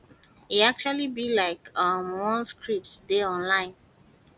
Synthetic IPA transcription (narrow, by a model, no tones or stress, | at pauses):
iak̚t͡ʃualibilaɪkʌmwɔ̃nskɹip̚tsdeɔ̃nlãɪ̃n